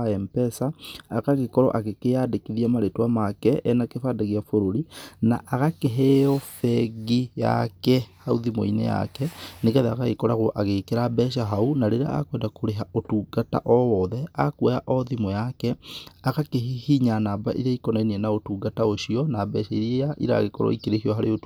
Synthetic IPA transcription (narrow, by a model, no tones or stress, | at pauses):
ɛmpɛsaːkaɣekɔɾɔ̰ʔaɣekeadekiðiamaɾetwamakɛɛnakefadaɣjafoɾoɾina̰ʔaɣakeɦɛɔfɛɡija̰kɛhauðimo̰ḭnḛja̰kɛneɣɛðea̰ɣaɣekɔɾaɣoʔaɣekeɾabɛʃaɦaunaɾeɾa̰a̰kwɛːndakoɾeɦaotuːɡata̰ʔɔwɔðɛakwɛja̰ʔɔðimɔjakɛaɣakeɦihiɲanaːba̰ʔḭɾaikɔnainiɛnaotuːɡataoɕiɔnaːbɛːʃaiɾaʔḭɾa̰ɣekɔɾɔ̰ikeɾehiɔɦaɾeot